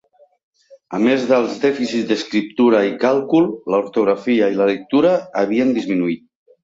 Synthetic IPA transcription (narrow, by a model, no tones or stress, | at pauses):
əmezðəlˠzðɛfisizd̪əskɾip̚t̪uɾaikalˠkulˠləuɾt̪uɣɾafiailələk̚t̪uɾaːβiənd̪izminuit̪̚